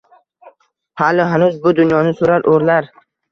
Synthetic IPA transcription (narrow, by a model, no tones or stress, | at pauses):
halɪɦanʊzbʊd̪ʊnjɒnɪsoɾaɾʔoɾlaɾ